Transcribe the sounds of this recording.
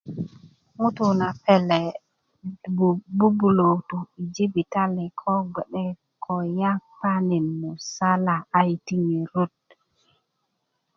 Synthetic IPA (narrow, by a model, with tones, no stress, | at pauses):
mu˦tu˨na˨pɛ˦lɛ˨ | bu˦bu˨lo˨wtu˨i˨d͡ʒi˦bi˨ta˦lɛ˨kʰɔ˦ɡɛ˨ɗɛ˦ | kʰɔ˨ja˦pa˦ni˨nmu˨sa˦la˨a˦jti˦ŋi˨ɾu˦d̚